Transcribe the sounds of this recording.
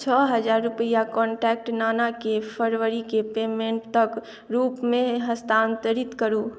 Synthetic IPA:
t͡ʃʰɔɦəd͡ʒaːɾːʊpəjakɔ̃ːɳʈɛːk̚ʈnaːnakepʰəɾʋəɾikepeːmẽɳʈt̪ək | ɾuːpmẽɦəst̪aːnt̪əɾɪt̪kəɾu

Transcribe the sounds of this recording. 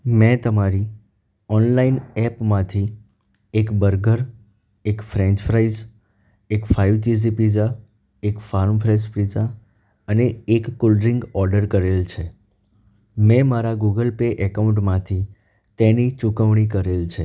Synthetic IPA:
mɛ̃t̪əmaɾi | ɔnlainɛpmãt̪ʰi | ekbəɾɡəɾ | ekfɾɛ̃ɲt͡ʃfɾaiz | ekfaiʋtis̬ipid͡ʒa | ekfaɾmfɾaispɾid͡ʒa | əneekːʊlɖɾiŋɡɔɾɖəɾkəɾelt͡ʃʰe | mɛ̃maɾaɡuɡəlpeʔəkaʊũɳʈmãt̪ʰi | t̪enit͡ʃukəʋɳikəɾelt͡ʃʰe

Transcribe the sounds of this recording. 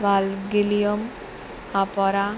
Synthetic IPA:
ʋalɡilijom | apɔɾa

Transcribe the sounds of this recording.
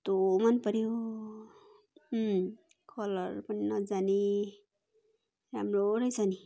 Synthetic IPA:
t̪omanpʌɾio | kʰʌlʌɾpʌninʌd͡zani | ɾamɾoɾʌjsani

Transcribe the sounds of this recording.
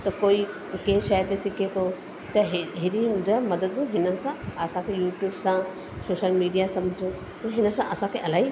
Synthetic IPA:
t̪ɐkoːi | keɦʃɐjt̪esɪkʰet̪ʰo | t̪ɐɦɦeɾĩd͡ʑomɐd̪əd̪ũɦɪnənɪ̆sãɐsãkʰejuːʈjuːbsã | soːʃəlmiːɖijasɐ̃mʱd͡ʑʱõ | t̪ɐɦɪnəsãʔɐsãkʰeʔɐlaːi

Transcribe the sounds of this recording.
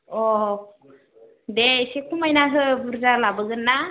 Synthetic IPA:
ɔ | desekʰumajnaɦɯbuɾzalabɯɡɯnːa

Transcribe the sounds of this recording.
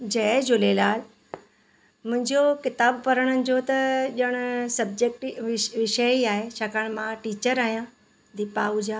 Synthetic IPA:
d͡ʑɐd͡ʑoleːlaːl | mʊ̃ɦɪ̃ɲd͡ʑokɪt̪aːbpɐɾəɽ̃ənɪ̆d͡ʑoːt̪ɐʄəɽ̃ʊsɐbd͡ʑeːk̚ʈʋɪʃəiaːɦet͡ɕʰakaɽ̃mãʈiːt͡ɕəɾaːɦijã | d̪iːpaːʊd͡ʑaː

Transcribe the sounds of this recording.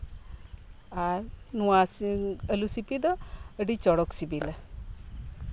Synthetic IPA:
aɾnuwasiəlusipid̪ɔəɖit͡ʃɔɽɔksibila

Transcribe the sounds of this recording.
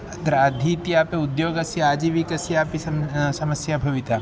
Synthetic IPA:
d̪ɾaːd̪ʱit̪iaːpeʊd̪joːɡɐsiaːd͡ʒiʋikɐsiaːpiɐsɐməsjabʱɐʋɪt̪aː

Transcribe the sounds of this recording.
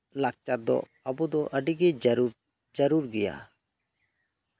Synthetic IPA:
lak̚t͡ʃat̪̚d̪ɔ̰ | əbɔd̪ɔʔəɖiɡɛ | d͡ʒəɾuɾɡɛja̰

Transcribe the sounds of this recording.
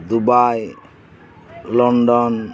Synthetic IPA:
d̪ubaj | lɔɳɖɔn

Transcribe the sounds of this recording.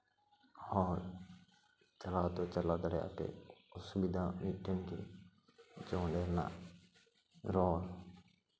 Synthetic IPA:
hɔːɾ | t͡ʃəlaːt̪oːt͡ʃəlaːd̪əɽea̰pḛːʊsʊbɪd̪ʱaːmiːʈənkḛ | d͡ʒõːɳɖeːɾna̰ː | ɾoːl

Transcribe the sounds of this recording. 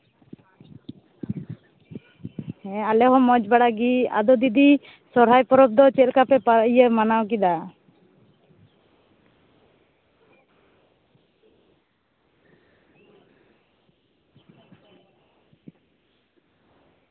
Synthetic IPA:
ɛalɛɦɔmɔd͡ʒbaɽaɡia̰d̪ɔd̪id̪i | sɔɾɦajpɔɾɔp̚d̪ɔt͡ʃɛlkapɛpaɾijəmanawk̬id̪a

